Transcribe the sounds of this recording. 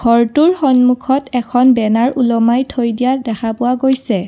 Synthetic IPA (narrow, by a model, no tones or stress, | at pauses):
ɡ̥ʰʱɔɹtuɹxɔnmukʰɔtɛkʰɔnbɛnaɹulɔmajtʰojdijadɛkʰapʊwaɡojsɛ